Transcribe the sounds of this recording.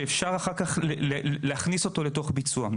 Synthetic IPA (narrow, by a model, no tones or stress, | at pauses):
efʃaʁaχaʁkaχlleleaχniso̞to̞le̞to̞χbit͡sua